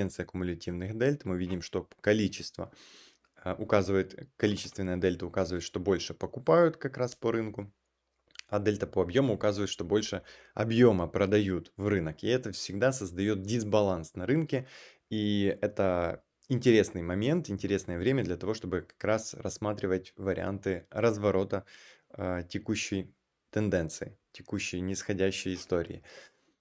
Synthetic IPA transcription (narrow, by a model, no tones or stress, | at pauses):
ent̪sɨjəɐkʊmʊlʲɪtʲivnɨxɐd̪ɛlʲt̪mɨvʲidʲɪmʂt̪o̞kɐlʲit͡ɕɪst̪və̰ | ʊkazɨvəjʊt̪kɐlʲit͡ɕɪst̪vʲɪnːɨjɐd̪ɛlʲt̪əʊkazɨvəɪt̪ʂt̪o̞bo̞lʲʂɨpəkʊpajʊt̪kɐkɾaspəɾɨnkʊ | ɐd̪ɛlʲt̪əpoɐbjo̞mʊːkazɨvəjt̪ʂt̪o̞bo̞lʲʂɨ | ɐ̰bjo̞məpɾəd̪ɐjut̪vrɨnəkɪɛt̪əfsʲɪɡd̪asəzd̪ɐjo̞t̪̚dʲɪzbɐlˠansnɐɾɨnkʲɪ | iɛt̪ə | ɪnʲtʲɪɾʲe̞snɨjmɐmʲe̞nt̪ɪnʲtʲɪɾʲe̞snəjəvɾʲemʲəd̪lʲɐt̪ɐvo̞ʂt̪o̞bɨkɐ̥kɾasɾɐsːmat̪ɾʲɪvətʲvəɾʲɪ̰a̰nt̪ɨɾəzvɐɾo̞t̪ə | tʲɪkuɕːɪj | t̪ɨnd̪ɛnt̪sɨɪtʲɪkuɕːɪjnʲɪsxɐdʲæɕːɪjɪst̪oɾʲɪ̰ɪ̰